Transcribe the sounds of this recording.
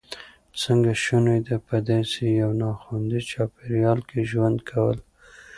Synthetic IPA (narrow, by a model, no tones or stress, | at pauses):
t͡səŋɡaʃunojd̪apəd̪esejawnɑxund̪izt͡ʃɑpeɾjɑlkeʒwand̪kʰawəl